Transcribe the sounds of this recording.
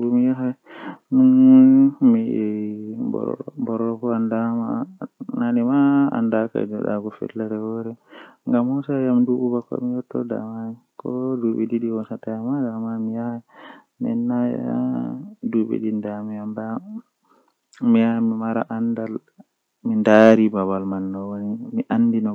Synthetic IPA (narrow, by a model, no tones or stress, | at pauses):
bumijaɦajmunumiɛbɔ̰bɔɾɔkɔandamananimaa̰ndaka̰dɔɗa̰ɡɔfɛ̰lːaɾɛwɔɾɛŋɡamhɔsajamduɓubakɔa̰mijɔtːɔ̰da̰mani | kɔduɓɛɗiɗiwɔnsatajamadamamija | mɛ̰nːaj̰a̰duɓɛ̰ɗindamianda | mijamimaɾaʔandal | mindaɾibabalmanːɔwonimiʔandinɔ